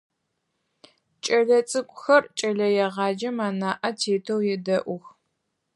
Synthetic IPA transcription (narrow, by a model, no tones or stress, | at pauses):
t͡ʃʼɐɮɐt͡sʼɨkʷʼʊxɐrt͡ʃʼɐɮɐjɛʁɑːd͡ʒɐmaːnaːʔɐtʰeːtʰɐwjɛdɐʔʷʊx